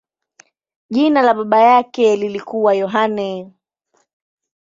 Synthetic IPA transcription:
ʄinalaɓaɓajakɛlilikuwajɔɦanɛ

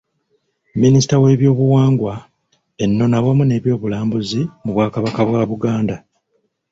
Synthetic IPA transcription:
minisi̥tawe̞ːβjo̞ːβuwaːŋɡwa | e̞nːo̞nawamune̞ːβjo̞ːβulaːmbuzimuβwaːkaβakaβwaːβuɡaːnda

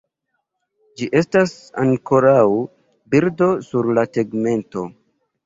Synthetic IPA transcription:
d͡ʒiʔe̞stas | a̰ŋko̞ɾaw | biɾdo̞suɾlateɡme̞nto̞

